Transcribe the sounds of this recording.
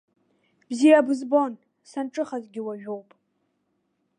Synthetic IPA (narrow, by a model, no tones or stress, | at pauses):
b̥zijabɨzbon | sanʈ͡ʂʼɨχazɡʲɪwaʒᶣowpʼ